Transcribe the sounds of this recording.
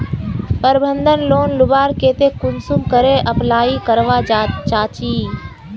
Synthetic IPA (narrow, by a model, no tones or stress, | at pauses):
pəɾbʱənd̪ʱənloːnlʊbaːɾkeːt̪eːkʊnsumkəɾeːʔəplaːiːkəɾʋaːt͡ʃaːt͡ʃiː